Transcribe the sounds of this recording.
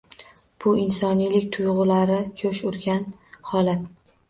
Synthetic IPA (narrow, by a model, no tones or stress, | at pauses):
b̥ʊɪnsɒnijlɪkʲt̪ʰʊjʁʊlaɾɪt͡ʃʰoʃʊɾɡʲan | hɒlat̪